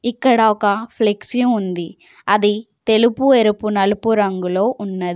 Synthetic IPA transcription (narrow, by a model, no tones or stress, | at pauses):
ikːɐɽɐɔkɐpʰleksijund̪i | ɐði | t̪elupueɾupːunɐlupːuɾɐŋɡuloːʔʊnːɐdði